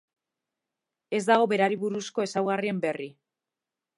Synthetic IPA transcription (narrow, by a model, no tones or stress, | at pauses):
e̞zd̪aɣ̞o̞βe̞ɾaɾiβuɾusko̞e̞sawɣarie̞mbe̞ri